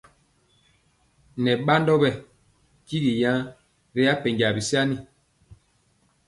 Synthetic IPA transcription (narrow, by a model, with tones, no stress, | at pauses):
nɛ˨ɓa˦ndɔ˦bɛ˦ | ki˦ɡi˨jã˦ | ɾi˦a˦pɛ˨ŋɡa˨bi˨sa˦ni˦